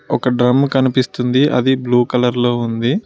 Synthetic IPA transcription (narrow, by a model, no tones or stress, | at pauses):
ɔkɐɖɾɐmːkɐnipist̪und̪iʔɐ̰d̪ibluːkɐlɐɾlo̞ːund̪i